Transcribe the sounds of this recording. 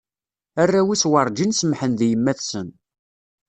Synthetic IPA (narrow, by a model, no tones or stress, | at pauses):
ærːæwiswəɾˤd͡ʒinsəmħənðjəmːæθsən